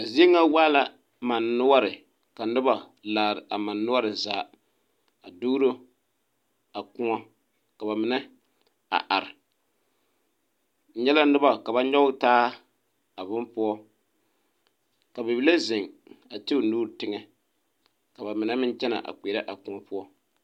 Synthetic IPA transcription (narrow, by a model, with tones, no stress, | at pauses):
ka˨zi˦e˦ŋa˦waː˦la˦ | ma˨nːʊ˦wa˦ɾɪ˨ | ka˨nʊ˦ba˨ | laː˨ɾɪ˨ʔa˨ma˨nːʊ˦a˦ɾɨ˨zaː˨ | a˨du˦ɾo˦ | a˨kʊ˦ŋɔ˦ | ka˨ba˨mɪ˨nɛ˦ | a̰˨ʔa˨ɾɪ˨ | n̩˨˦ɲɛ˦la˦nɨ˦ba˨ka˨ba˦ɲɔ˦taː˦ | a˨bʊ˦mpʊ˦ɔ˦ | ka˨bɪ˨bi˦la˦zɪ˨ŋa˨tɪ˦ʊ˨nuː˦ɾtɪ˦ŋɛ˦ | ka˨ba˨mɪ˨nɛ˦mɪ˦nt͡ʃɛ˦na̰˨ʔa̰˨k͡peː˨ɾɛ˦ʔa˨kʊ˦ŋɔ˦pʊ˦ɔ˦